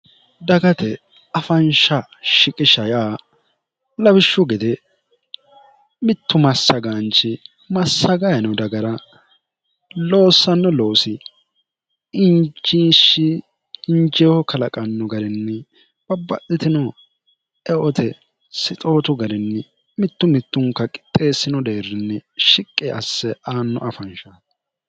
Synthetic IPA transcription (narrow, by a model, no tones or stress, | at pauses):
d̪ɐɡɐt̪ɛ | ɐfɐnʃɐʃɪkʼɪʃɐjaː | lɐbɪʃːʊɡɛd̪ɛ | mɪt̪ːʊmɐsːɐɡant͡ʃɪ | mɐsːɐɡɐjɐnɔd̪ɐɡɐɾɐ | lo̞ːsːɐnːɔlo̞ːsɪ | ɪnd͡ʒiːʃɪː | nd͡ʒehɔkɐlɐkʼɐnːɔɡɐɾɪnːɛ | b̥ɐbːɐ̰ʔɪt̪ɪnɔ | ɛʔɔt̪ʰɛ | sɪt̪ʼo̞ːt̪ʊɡɐɾɪnːɛ | mɪt̪ːʊmɪt̪ːʊŋkːɐkʼɪ̥t̪ʼːe̞ːsːɪnɔd̪eːrːɪnːɛʃɪkʼːeʔɐsːɛʔaːnːɔ̰ʔɐfɐnʃa